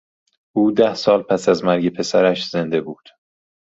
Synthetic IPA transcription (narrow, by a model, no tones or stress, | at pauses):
ʔuːd̪æhsɒːlpʰæsæzmæɾɟe̞pʰe̞sæɾæʃz̥e̞nd̪e̞buːd̪̥